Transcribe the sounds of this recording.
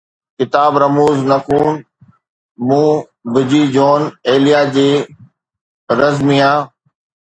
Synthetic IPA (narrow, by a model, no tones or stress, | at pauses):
kɪt̪aːbɾɐmuːznɐkuːn | mũː | bɪd͡ʑiːd͡ʑoːneːlijaːd͡ʑeː | ɾɐzmiːãː